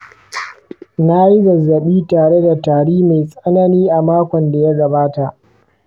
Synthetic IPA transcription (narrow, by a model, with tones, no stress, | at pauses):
na˦ji˦zɐ˨zːɐ˨ɓiː˦taː˨ɽe˦da˨taː˨ɽiː˦ma˨jsʼɐ˦nɐ˦niː˦ʔa˨maː˦kʷɔ˨nda˨ja˦ɡɐ˨baː˦ta˨ʔ